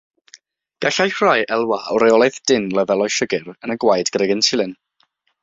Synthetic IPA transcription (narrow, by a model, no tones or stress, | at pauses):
ɡ̥aɬajkrajʔɛlˠwaɔɾejɔlˠɛθd̥ɪnləvɛlˠɔjʃəɡɪɾənəɡwajdɡ̥rɛɡɛntʰɪlˠɪn